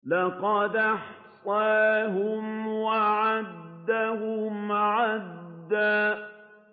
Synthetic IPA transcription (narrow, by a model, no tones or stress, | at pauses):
lɑqɑd̪ʔɑħsˤɑːɦʊmwaʕad̪ːahʊmʕad̪ːaː